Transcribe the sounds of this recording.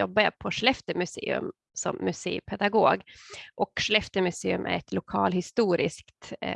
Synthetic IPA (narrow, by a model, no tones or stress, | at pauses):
jɔbːajapʰɔʂɭɛft̪əmʉsḛːɵ̰m | sɔ̰mːɵsḛːpʰɛd̪aɡoːɡʔɔkʂlɛft̪əmɵseːɵmʔæ̰ɾɛt̪ʰlʊkʰɑːlhɪst̪uːɾɪskt̪